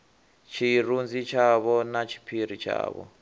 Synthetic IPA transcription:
t͡ʃʰiɾund͡zit͡ʃʰaβɔnat͡ʃʰi̥pʰiɾ̤it͡ʃʰa̰ːβɔ̰

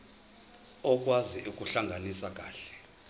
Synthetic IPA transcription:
ɔk̬ʼwaziʔuk̬ʼuɬaŋɡʱanisak̬ʼaːɬɛ̥

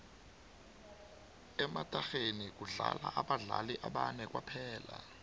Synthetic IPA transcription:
ɛmatʼaxenik̬ʼuɮalaʔaɓaɮaliʔaɓanɛk̬ʼwapʰɛːla

